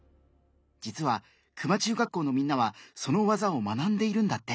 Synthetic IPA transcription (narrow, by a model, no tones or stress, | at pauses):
d͡ʑit͡sɨβa | kɯ̟mat͡ɕɨːɡakːo̞ːno̞mʲĩnːaβaso̞no̞βazao̞manãnd̪e̞iɾɯ̟̃nd̪at̪ːe̞